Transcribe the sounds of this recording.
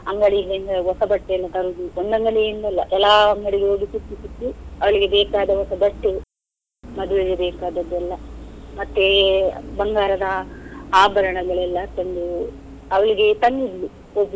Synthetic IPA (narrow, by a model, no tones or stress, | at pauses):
ɐŋɡɐɽiɡend̪ɐɦɔsɐbɐʈːelːɐt̪ɐɾud̪uond̪ɐŋɡɐɭeind̪ɐɛlːɐ̰ʔɛlːaːɐŋɡɐɽiɡeɦoːɡisutːisut̪ːuɐʋɐɭiɡe̞bɛːkaːd̪ɐɔsɐbɐʈːe | mɐd̪uʋed͡ʒɐbɛːkaːd̪ɐd̪ːɛlːɐmɐt̪ːebɐŋɡaːɾɐd̪ɐaːbʱɐɾɐɳɐɡɐɭɛlːɐt̪ɐnd̪u | ɐʋɐɭiɡe̞t̪ɐnid̪lu | obi